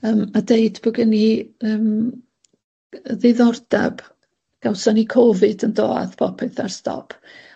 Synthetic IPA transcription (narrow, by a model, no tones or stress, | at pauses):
əːmadeɨdb̥ɔɡɪniəːm | əðeðɔrd̥a̰b̥ | ɡ̥awsɔnikʰɔvɨdəndo̰ːa̰ðpʰɔpʰɪθarstʰɔ̰pʰ